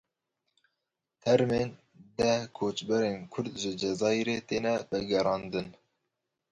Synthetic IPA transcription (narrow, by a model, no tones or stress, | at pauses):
t̪ʰɛɾmeːn | d̪ɛkʰoːt͡ʃbɛɾeːnkʰʊɾd̪ʒɪd͡ʒɛzɑːjɾet̪eːnɛbɛɡɛɾɑːnd̪ɨn